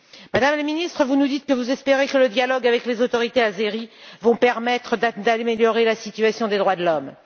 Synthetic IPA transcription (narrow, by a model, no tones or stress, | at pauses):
mad̪amləminist̪χəvunud̪it̪̚kəvuzɛspeʁekələd̪jalɔɡavɛklezot̪ɔʁit̪eazeʁivɔ̃pɛʁmɛt̪χəd̪d̪ameljɔʁelasit̪ɥasjɔ̃d̪ed̪ʁwad̪əlɔm